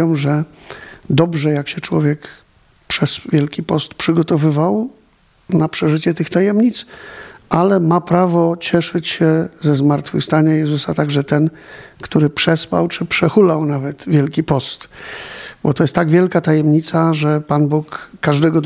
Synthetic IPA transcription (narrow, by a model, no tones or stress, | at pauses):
ɔ̃w̃ʐɛ | d̪ɔbʐɛjakɕɛt͡ʂwɔvʲjɛk | pʂɛsvʲjɛlkʲipɔst̪pʂɘɡɔt̪ɔvɘvaw | napʂɛʐɘt͡ɕɛt̪ɘxt̪ajɛmɲit̪sʔalɛmapɾavɔt͡ɕɛʂɘt͡ɕɕɛzɛzmaɾt̪fɘ̰fst̪aɲajɛzusat̪aɡʐɛt̪ɛn | kt̪uɾɘpʂɛspa̰wt͡ʂɘpʂɛxulawnavɛt̪vʲjɛlkʲipɔst̪ | bɔt̪ɔjɛst̪ːaɡvʲjɛlkat̪ajɛmɲit̪saʐɛpanbukːaʐd̪ɛɡɔd̪